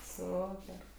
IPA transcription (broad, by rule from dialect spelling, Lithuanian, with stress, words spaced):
ˈsʊpʲɛr